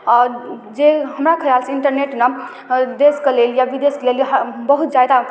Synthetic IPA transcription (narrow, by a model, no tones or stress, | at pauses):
ɔɾd͡ʒeɦəmɾakʰəɾalsiɳʈəɾneʈna | d̪eskeleljabid̪eskleljɦbəɦut̪̚d͡ʒajd̪a